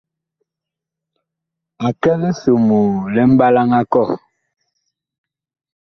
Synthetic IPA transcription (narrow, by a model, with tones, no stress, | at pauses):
a˨kɛ˦lɛ˦so˨mo˨lɛ˦m̩˦ba˦la˦ŋa˦kɔ˦˨